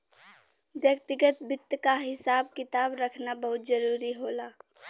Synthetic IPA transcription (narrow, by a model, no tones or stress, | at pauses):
ʋjəkt̪ɪɡət̪bɪt̪ːkaɦɪsaːb̚kɪt̪aːbɾəkʰnabəɦʊt̪zəɾuːɾiɦoːlaː